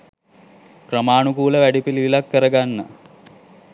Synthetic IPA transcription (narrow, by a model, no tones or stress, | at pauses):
krəmaːnukuːləʋæɖipiliʋilakːəɾəɡanːə̰